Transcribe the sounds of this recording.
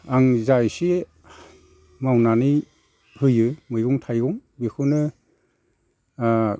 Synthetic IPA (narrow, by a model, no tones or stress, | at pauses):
aŋzajsi | mawnani | hɯjɯmɯjɡuŋtʰajɡuŋbikʰunɯ